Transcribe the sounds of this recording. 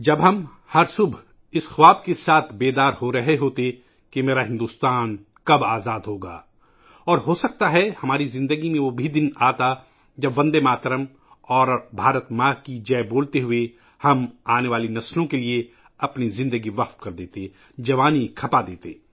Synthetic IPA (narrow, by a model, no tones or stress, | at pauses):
d͡ʒɐbɦɐm | hɐɾsʊbʱ | ɪsxʋaːb̚kesaːt̪ʰbeːd̪aːɾɦoɾɐɦeɦoːt̪e | kemeːɾaɦɪ̃nd̪uːst̪aːn | kɐbaːzaːd̪ɦoːɡa̰ː | ɔːɾɦoːsɐk̚t̪aɦɛhɐmaːɾizɪ̃nd̪əɡimẽʋobʱid̪ɪnaːt̪a | d͡ʒɐbʋɐ̃nd̪emaːt̪ɾəm | ɔːɾbʱaːɾət̪makid͡ʒɛːboːlt̪eɦʊe | hɐmaːneʋaːlinɐslõkelie | ɐpnizɪ̃nd̪əɡiʋɐxt̪̚kɐɾd̪eːt̪eː | d͡ʒɐʋaːnikʰɐpad̪eːt̪ḛː